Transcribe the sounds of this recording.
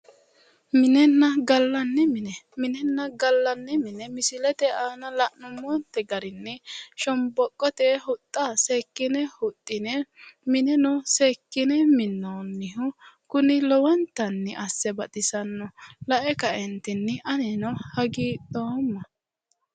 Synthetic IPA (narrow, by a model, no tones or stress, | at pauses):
mɪnɛnːɐɡɐlːɐnːɛmɪnɛmɪnɛnːɐɡɐlːɐnːɛmɪnɛmɪsɪlɛt̪ɛaːnɐlɐʔnʊmːɔːnt̪ːɛɡɐɾɪnːɛʃɔmbɔkʼːɔt̪ɛhʊt̪ʼːaseːkːɪnɛhʊt̪ʼːɪnɛmɪnɛnɔseːkːɪnɛmɪnːonːɪhʊkʊnɪlɔwɐnt̪ɐnːɪʔɐsːɛbɐt̪ʼɪsɐnːɔlɐʔɛkɐʔɛnt̪ɪnːɛʔɐnɛnɔhɐɡiːd̪oːmːɐ